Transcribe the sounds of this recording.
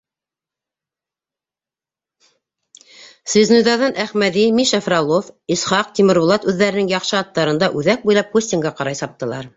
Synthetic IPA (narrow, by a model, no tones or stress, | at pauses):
svʲiznujd̪ɑðɑnʔæχmæðimiʃæfrɑlˠofisχɑq̚t̪imɘ̆ɾbŏlˠɑt̪ʉðːæɾɘnɘŋjɑχʃɤɑt̪ːɑɾɤ̆nd̪ɑʔʉðæk̚bujlˠɑpxusʲt̪ʲiŋɡɑqɑɾɑjsɑp̚t̪ɤ̆lˠɑ̰ɾ